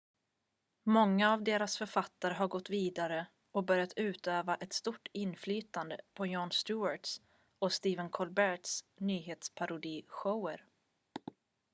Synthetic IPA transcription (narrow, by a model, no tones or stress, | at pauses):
mɔŋːaːvd̪eːɾasfœɾfat̪ːaɾəɦaɾɡɔt̪ːviːd̪aɾə | ɔbœɾjat̪ʉ̟ːt̪øːvaʔɛt̪st̪uʈːɪnflyːt̪and̪əpʰɔjɔːnst̪ʉːaʈs | ɔst̪iːvənkʰɔlbæʈsnyːɦeːt̪spʰaɾʊd̪iːɧəwəɾ